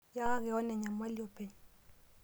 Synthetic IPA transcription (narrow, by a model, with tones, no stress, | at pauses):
ja˦ɣɛ˨ɔ˦nɛ˨ɲa˨m˦a˦li˦ɔ˨pɛ˨ɲ